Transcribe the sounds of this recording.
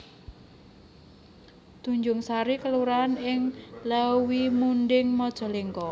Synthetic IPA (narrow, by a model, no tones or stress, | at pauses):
d̪̥ṳɲd͡ʒʊŋsaɾikəluɾanɪŋləwimunɖɪŋmɔd̥ʒ̥ɔ̤liŋkɔ